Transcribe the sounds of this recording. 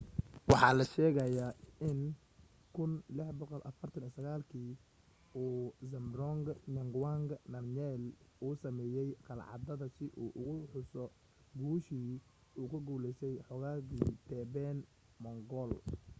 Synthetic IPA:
wɑħɑːlɐʃɛːɣɐjaːʔɪn | kʰʊnlɪħbɔqɔlʔɐ̰fɐrt̪ʰɐnisɐɣaːlkʰiː | uːzɐmɾɔŋɡnɐŋɡwaŋɡnɐrnɛːluːsɐmɛːjɛjqɑlʕɑ̰d̪ɐðɐsɪʔuːʔʊɣʊħʊsɔ | ɡuːʃiː | uːkʰɐɡuːlɛsɛjħɔɣaːɣiːt̪ʰɛːbɛːn | mɔŋɡɔl

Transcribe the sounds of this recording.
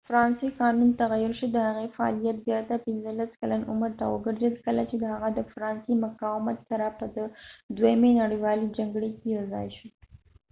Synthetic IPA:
fɾɑnsekɑnunt̪aɣajʊɾʃid̪əhaɣefaɑ̰lijat̪̚zjɑɾt̪apɪnzəlaskalanʔʊməɾt̪a̰wəɡəɾzad̪ikəlat͡ʃed̪əhaɣad̪əfɾɑnsemʊqɑwmat̪saɾapəd̪əd̪wajmenaɽiwɑlid͡ʒaŋɡɽekejawzɑ̰jʃi

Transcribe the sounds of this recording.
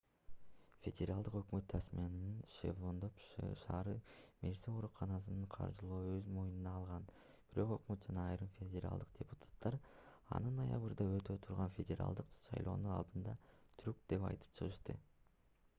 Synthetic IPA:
fʲe̞dʲeɾalˠd̪ɯqø̞kmøt̪ːɾæsmʲienninʃḛvond̪opʃɑːɾɯmeɾseo̞ɾuqɑnɑs̬ɯnɯɴqʰɑ̰ɾd͡ʒɯlˠoːøzmo̞jununɑːlˠʁɑn | biɾo̞qø̞kmøt̪̚d͡ʒɑnɑːjɾɯmfʲedʲeɾa̰lˠd̪ɯq̚dʲe̞pu̥t̪ʰḁt̪ːɑɾ | ɑ̰nɯnːaja̰βɯɾd̪ɑø̞t̪øt̪ʰuɾʁɑnfʲedʲeɾa̰lˠd̪ɯqʃɑ̰jlˠo̞̰ːnunɑ̰lˠd̪ɯnd̪ɑt̪ʰyɾkd̪e̞pɑ̰jt̪ɯ̥p̚t͡ʃʰɯʁɯʃt̪ɯ

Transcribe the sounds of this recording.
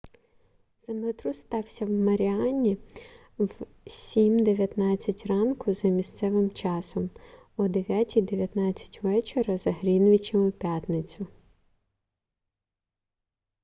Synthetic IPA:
z̥emlˠet̪ɾust̪ɑwsʲɐwmɐɾʲiɑnʲi | ʋ | sʲimd̪eʋʲjɐt̪nɑt͡sʲːɐtʲrɑnkʊzɐmʲist̪sɛʋɪmt͡ʃɑsɔm | ɔd̪eʋʲjatʲijd̪eʋʲjɐt̪nɑt͡sʲːɐ̥tʲʋɛt͡ʃeɾɐzɐɦɾʲinʋʲit͡ʃemɪpʲjat̪nɪt͡sʲʊ

